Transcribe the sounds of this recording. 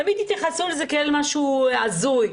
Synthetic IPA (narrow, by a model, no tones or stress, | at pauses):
amid̪it̪jaχasulzekeelmaʃuazuj